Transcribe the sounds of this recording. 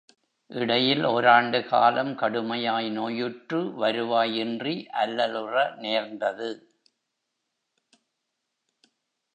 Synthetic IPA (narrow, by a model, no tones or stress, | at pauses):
ʔɪɽɐjɪloːɾaːɳɖɯka̰ːlɐmkɐɽɯmɐjaːjnoːjɯʈrɯʋɐɾɯʋaːjɪndriʔɐlːɐlɯrɐneːɾnd̪ɐðɯ